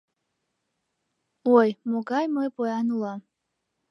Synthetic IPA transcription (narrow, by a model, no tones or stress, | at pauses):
wojmoɡajmojbojanula